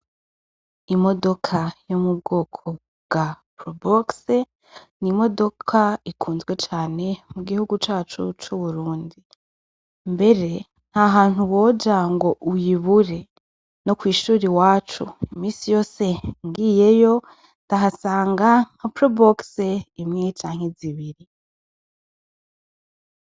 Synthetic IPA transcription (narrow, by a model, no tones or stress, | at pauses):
imo̞do̞kʰajomub̚ɡoːkʰo | bɡa | pɾobokse | nimo̞do̞kʰaikʰuːnzwe̞t͡ʃaːne̞muɡihuɡut͡ʃaːt͡ʃut͡ʃuβuɾuːndi | mbe̞ɾe̞ | n̥haɦaːn̥huwo̞ːɟaŋɡo̞ʔujiβuɾe̞ | no̞kwiːʃuːɾiwaːt͡ʃṵmiːsijo̞ːse̞ŋɡiːje̞jo̞ | ndaɦasaːŋɡaŋ̥apɾobokseimŋet͡ʃaːŋ̥e̞ziβiɾi